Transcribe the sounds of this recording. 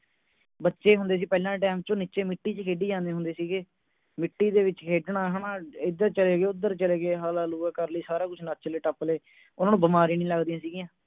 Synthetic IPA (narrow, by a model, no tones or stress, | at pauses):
bətːʃeːɦʊnd̪eːs̬iːpɛːlãːʈɛːmt͡ʃõːniːt͡ʃeːmɪʈːiːt͡ʃkʰeːɖiːd͡ʒãːnd̪eːɦʊ̃nd̪eːsiːɡeː | mɪʈːiːd̪eːʋɪt͡ʃkʰeːɖɳaːɦənaːɪd̪əɾt͡ʃəleːɡeːʊd̪ːəɾt͡ʃəleːɡeːɦaːlaːluːkəɾləiːsaːɾaːkʊt͡ʃʰnat̪̚t͡ʃleːʈəpleː | ʊnãːnũːbəmaːɾiːnĩːləɡd̪ijãːsiːɡɪjãː